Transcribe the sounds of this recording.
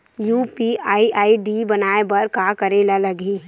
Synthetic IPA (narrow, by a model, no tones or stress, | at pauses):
juːpiaːiʔaːiɖibɐnaːebɐɾkaːkɐɾeːlalɐɡiː